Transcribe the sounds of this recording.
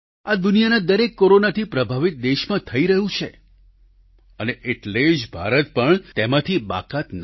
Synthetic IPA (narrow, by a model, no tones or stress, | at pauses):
ad̪unijanad̪əɾekːoɾonat̪ʰipɾəbʱaʋit̪̚d̪eʃmãt̪ʰəiɾəɦũt͡ʃʰe | əneʔeʈled͡ʒbʱa̰ɾət̪pəɳt̪emãt̪ʰiba̰kat̪n